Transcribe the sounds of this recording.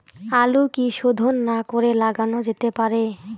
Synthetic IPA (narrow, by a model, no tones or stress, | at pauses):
alukiʃod̪ʱonːakoɾelaɡanod͡ʑet̪epaɾe